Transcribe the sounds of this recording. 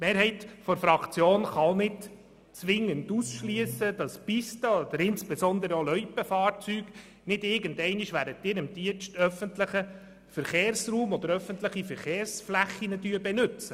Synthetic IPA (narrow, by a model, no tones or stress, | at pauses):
tmeːɾɦɛɪtfɔɾfɾɑkt͡sjoːnχɑlnɪd | t͡sʋɪŋːəndusʃliəsəd̥ɑspistəɔd̪əɾɪnspesɔnd̪əɾəolœʏpəfɑːɾt͡syːɡ̥ | nɪdɪɾɡəndɛɪniʃʋæːɾətːɪːɾɪmd̥iənʃtœfəntləχə | fəɾχeːɾsruːmɔd̥̪əɾœfəntləχifəɾχeːɾsflæχːinədyəbɛnʉt͡sə